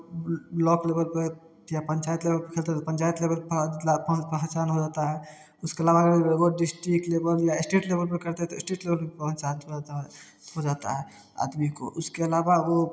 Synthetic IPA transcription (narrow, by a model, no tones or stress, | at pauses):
lɔklebəlpe | japəɲt͡ʃajt̪lebəlpekʰelt̪eɦɛt̪pənt͡ʃajt̪lebəlpappəɦət͡ʃanɦod͡ʒat̪aɦɛ | ʊskeəlaβaɡoɖisʈɾikʈlebəljaesʈiʈlebəlpekəɾt̪eɦɛt̪ɔsʈɾiʈlebəlpepəə̃nt͡ʃanɦoat̪ | ɦod͡ʒat̪a̰ɦɛ | a̰d̪miko̰ʔʊskeəlabao